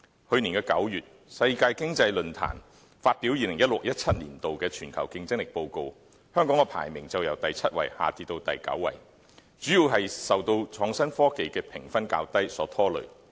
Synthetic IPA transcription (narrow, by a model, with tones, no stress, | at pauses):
hɵ˧ɥni˨˩kɛː˧kɐ̰˨˥wjyː˨t̚ | sɐ˧jkaː˧jkɪ˥ŋt͡sɐ˧jlɵ˧nt̪ʰa̰ː˨˩n | faː˧t̚piː˨˥wjiː˨˧lɪ˨˩ŋjɐ˥t̚lʊ˨k̚jɐ˥t̚t͡sʰɐ˥t̚lḭː˨˩nt̪o˨wkɛː˧t͡ʃʰyː˨˩nkʰɐ˨˩wkɪ˧ŋt͡sɪ˥ŋlɪ˨k̚po˧wko˧w | hœː˥ŋkɔː˨˥ŋkɛ˧pʰa̰ː˨˩jmɪ˨˩ŋt͡sɐ˨wjɐ˨˩wt̪ɐ˨jt͡sʰɐ˥t̚wɐ̰˨˩jha̰ː˨t͡siː˧t̪o˧wt̪ɐ˨jkɐ̰˨˥wːɐ̰˨˩j | t͡syː˨˥jiː˨˧wɦɐ˨jsɐ˨˩wt̪o˧wt͡ʃʰɔː˨˥ŋsɐ˥nfɔː˥ke˨jkɛː˧pʰɪ˨˩ŋfɐ˥nka̰ː˧wt̪ɐ˥jsɔː˨˥t̪ʰɔː˥lɵ̰˨˧